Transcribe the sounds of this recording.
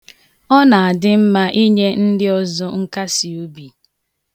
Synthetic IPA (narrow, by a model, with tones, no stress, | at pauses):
ɔ˦na˨a˨dɪ˦m̩˦ma˦ʔi˦ɲe˦n̩˦dɪ˦ɔ˦zɔ˦ŋ̩˦ka˦si˨o˦bi˨